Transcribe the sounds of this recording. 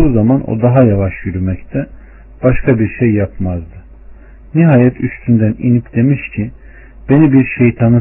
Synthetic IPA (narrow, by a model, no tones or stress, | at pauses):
uːzamanʔo̰d̪aɦajavaʃjyɾymɛct̪ʰɛ | b̥aʃkʰabiɾʃejːapʰmazd̪ɯ | niɦaːjɛt̪ʰyst̪ʰynd̪ænḭnipd̪e̞miʃcʰi | b̥e̞nibiɾʃejt̪ʰanɯ